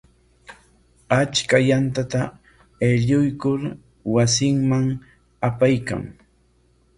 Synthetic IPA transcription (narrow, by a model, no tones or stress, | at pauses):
at͡ʃkajant̪at̪a | eʎʊjkʊɾ | wasɪŋmaŋ | apajka̰ŋ